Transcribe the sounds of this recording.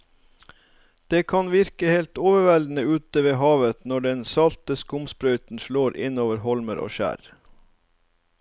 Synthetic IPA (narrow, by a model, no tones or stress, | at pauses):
d̪̥eːkʰɑnʋɪɾkəheɪlt̪oːʋəʋæld̪n̩əʉːt̪əʋeːɦɑːʋət̪nɔɖɛnsɑlt̪əskʊmspɾœʏt̪n̩ʃɭoːɾʔɪ̰noːʋəɾhɔlməɾʔo̰ːʃæ̰ːɾ